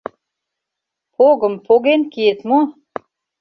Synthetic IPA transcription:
pʰoɣə̆mpʰoɣenkiet̪mo

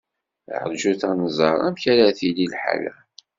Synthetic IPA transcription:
ʕədʒuθænəzˤɑɾˤæmçæɾaθililħa̰læ̰

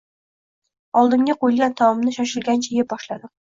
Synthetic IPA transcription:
ɒlˠd̪ɪmɡʲaqojɪlɡʲant̪ʰɒmɒmnɪʃaʃɪlɡʲant͡ʃʰajɪbɒʃlad̪ɪ

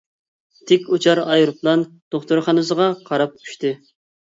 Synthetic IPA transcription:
t̪ʰɪkʲut͡ʃʰɑɾɑjɾuplˠɑnd̪̥oχt̪oɾχɑnɨsəʁɑqʰɑɾɑp̚ʰy̥ʃt̪ɪ

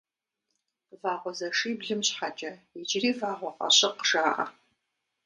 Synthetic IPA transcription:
vaːʁʷɔzɐʂɨːbɮɨmɕħat͡ʃʼɐid͡ʒriːvaːʁʷɔqʼɐ̰ɕɪqʒaːʔɐ̰

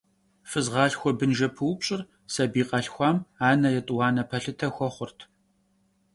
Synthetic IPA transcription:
fɨzʁɑːɬxʷɔbɨnʒɐpʰɨwpɕʼɪr | sɐbiːqɐɬxʷɑːmaːnɐjɛtʼwɑːnɐpʰɐɬɨtʰɐxʷɔχʷʊrtʰ

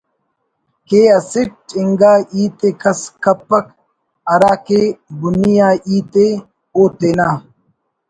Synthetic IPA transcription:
keːɐsiʈ̚iŋɡaːiːt̪ekɐskɐpːɐk | ɐɾaːkeːbunijaːiːt̪e | oːt̪eːnaː

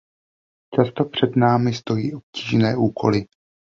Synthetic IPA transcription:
t͡ʃast̪o̞pr̝̥ɛdnaːmɪst̪o̞jiːʔo̞p̚ciːʒnɛːʔuːkʰo̞̰lɪ

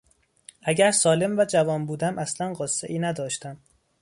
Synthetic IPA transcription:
ʔæɟæɾsɒːle̞mvæd͡ʒævɒːnbuːd̪æmʔæslænɢɒːsːeʔiːnæd̪ɒːʃt̪æm

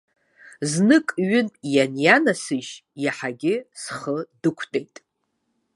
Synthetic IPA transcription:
znɨkʼɥʏnjanjanasɨʒjaħaɡʲɪsχədɨkʷʰtʼejtʼ

